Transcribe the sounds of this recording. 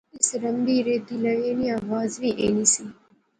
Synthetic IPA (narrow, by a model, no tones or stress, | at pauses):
ɪsɾəmbiːɾeːt̪iːləjeːniãːʋaːzʋiʔḛːniːsiː